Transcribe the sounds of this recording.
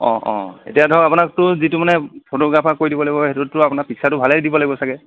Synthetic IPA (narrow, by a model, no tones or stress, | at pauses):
ɔ̰̃ʔɔ̰̃ḛtijadʱɔapʊnaktʊzitumanɛpʰotoɡɹapʰakoɹidibɔlaɡibɔɦetutːʊapʊnapiksatʊbʱalɛdibɔlaɡibɔsakɛ